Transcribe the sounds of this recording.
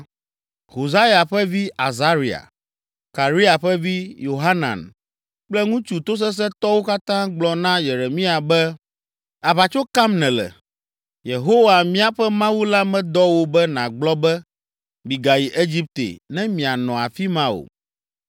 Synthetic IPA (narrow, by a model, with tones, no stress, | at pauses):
ho˨za˦ja˨ɸɛ˦vi˦ʔa˨za˦ɾi˨a̰˨ | ka˨ɾi˦a˨ɸɛ˦vi˦jo˨ɦa˦nã̰˨n | k͡plɛ˦ŋũ˦t͡ʃu˨t̪o˦s̬ɛ˦s̬ɛ˦t̪ɔ˦wo˦ka˦t̪ã˦ɡ͡blɔ˨nã˦je˨ɾe˨mĩ˦a˨bɛ˦ | a˨βa˨t͡ʃo˦ka˦mnɛ̃˨lɛ̰˨ | je˨ɦo˦wa˨mĩ˦a˨ɸɛ˦mã˦wu˦la˦mɛ̃˦d̪ɔ˦wo˦bɛ˦nã˨ɡ͡blɔ˦bɛ˦ | mi˨ɡa˨ji˨ʔe˦d͡ʑi˦p̚t̪ḛ˨nɛ̃˦mĩ˨a˨nɔ̃˨a˨fi˦mã˦wo̰˨